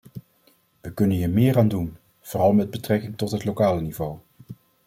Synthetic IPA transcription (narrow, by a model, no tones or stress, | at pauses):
ʋəkɵnənɦiːɹmɪːɾaːndun | v̥oːrɑlˠmɛd̚bətrɛkɪŋtɔtɦətlokaːlənivow